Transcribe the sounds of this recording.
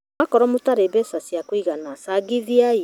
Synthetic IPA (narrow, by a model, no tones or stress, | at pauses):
akɔɾɔmotaɾebɛsasiakwiɣanasaɡiðiai